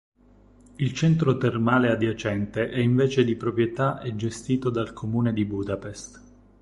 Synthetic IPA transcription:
ilt͡ʃɛnt̪ɾot̪ermaːlead̪jat͡ʃɛnt̪eʔɛiɱveːt͡ʃed̪ipɾopɾjet̪aʔed͡ʒːest̪iːt̪od̪alkʰomuːned̪ibud̪apest̪

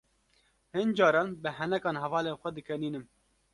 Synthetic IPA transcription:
hɨnd͡ʒɑːɾɑːnbɨɦɛnɛkɑːnɦɛvɑːleːnxʷɛd̪ɨkʰɛniːnɨm

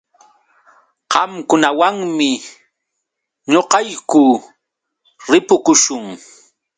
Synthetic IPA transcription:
qɑmkʊnawaŋmɪ | ɲoqɑjkʊ | ɾɪpʊkʊʃʊŋ

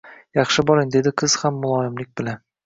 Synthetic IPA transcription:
jɑχʃɪbɒɾɪŋd̪e̞d̪ɪqʰɨz̥hamːʊlˠɒɪmlɪk̚ʲbɪla

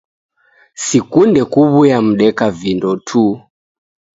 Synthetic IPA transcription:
sikundɛkuβujam̩ɗɛkavindɔtʰu

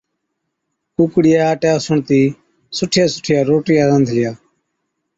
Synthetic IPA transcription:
uːkɽɪjaːʈjaːsʊɳt̪iː | sʊʈʰɪjaːsʊ̥ʈʰɪjaːɾoːʈɪjaːɾənd̪ʱlɪjaː

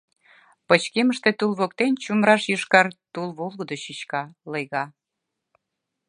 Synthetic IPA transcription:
pət͡ɕkeməʃt̪et̪ulβokt̪ent͡ɕumɾɑʃjyʃkɑrt̪ulβolɣəd̪oɕit͡ɕkɑləjɣɑ

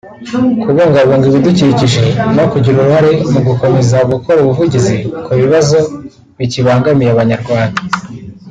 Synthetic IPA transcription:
kuβoŋɡaβoːŋɡiβiduciciʒe̞nokuɟiɾuɾuhaɾe̞muɡuko̞me̞zauɡukʰo̞ɾuβuvuɟizikʰuβiβazo̞ | βiciβaːŋɡamijaβaɲaɾɡwaːndḁ

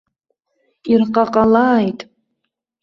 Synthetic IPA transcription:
irqʼaqʼalaːjtʼ

